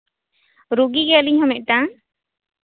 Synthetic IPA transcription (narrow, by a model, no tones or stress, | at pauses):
ɾuɡiɡɛaliɲhɔmɛʔ̚ˀt̪ã